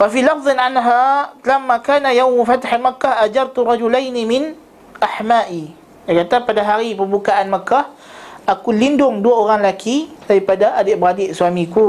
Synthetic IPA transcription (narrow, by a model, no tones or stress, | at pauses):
fafilɑfðˤɨnʕanɦalamːakaːnajawmfat̪aħamakːahʔad͡ʒɑrˤt̪urˤɑd͡ʒulajnimɪn | ʔaħmaːʔi | dajkat̪apadaɦaɾipəmbukaʔanməkah | ʔakulindʊŋduaoɾaŋlakʰidaɾipadaʔadɪʔbɾadɪʔsuamĩku